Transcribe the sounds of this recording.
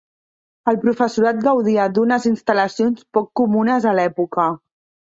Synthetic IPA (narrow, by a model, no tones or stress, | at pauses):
əlˠpɾufəsuɾat̪̚ɡəwðiəd̪unəzinst̪ələsionspɔkːumunəzəlɛpukə